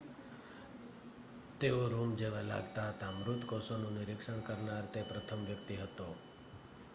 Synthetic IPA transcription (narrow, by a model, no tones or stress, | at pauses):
t̪eoɾumd͡ʒeʋala̰ɡt̪at̪amɾut̪kosonũnɪɾɪkʂəɳ̃kəɾnaɾt̪epɾət̪ʰəmʋjəkt̪iɦət̪o